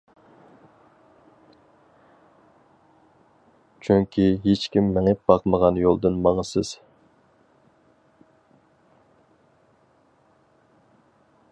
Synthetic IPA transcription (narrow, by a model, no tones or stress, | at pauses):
t͡ʃʰyŋkʲʰiɦet͡ʃkʲimːɛŋɪt̪̚b̥ɑqməʁɑnjolˠd̪ɨnmɑŋəsɨz̥